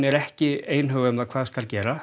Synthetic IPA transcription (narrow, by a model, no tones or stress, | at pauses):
nɛɾɛhcɪeːjnɦœɣʏmðakʰvaːðskalcɛːɾa